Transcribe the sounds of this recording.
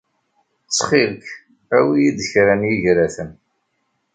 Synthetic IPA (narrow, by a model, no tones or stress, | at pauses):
t͡sːχilk | æwijid̪əçɾænjiʝɾæθən